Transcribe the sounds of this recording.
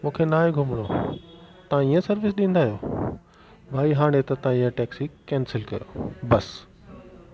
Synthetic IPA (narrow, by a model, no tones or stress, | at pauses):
mũːkʰenaːeɡʱʊmɪɽ̃oːt̪ɐʋãiə̃sɐɾʋɪs̬ɗĩːnd̪aːɦijoː | bʱaːiɦaːɽ̃et̪ɐt̪ɐãiːə̃ʈɛːksikɛːnsɪlkɐ̰jo̰bɐs